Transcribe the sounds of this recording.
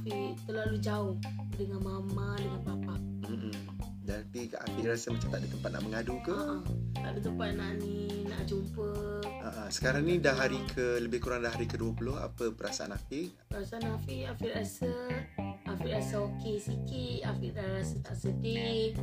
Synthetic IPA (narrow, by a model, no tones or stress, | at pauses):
afit̪əloalud͡ʒaʊhdəŋanmamadəŋanpapaʔ̩ | d͡ʒanpia̰fiʔɾasəmat͡ʃat̪aʔ̚dit̪əmpat̪̚na̰ʔməŋadukəta̰ʔdət̪əmpat̪̚naninaʔd͡ʒumpəʔaʔsə̥kaɾaŋnidaɦaɾikʰələbɪhkuɾaŋdahɦaɾikəduəpulʊɦa̰pəpəɾasaʔa̰nafi | pəɾasaanafiafiʔɾasə | ʔafiʔɾasaokesikit̪̚afiʔdarasət̪aʔsədi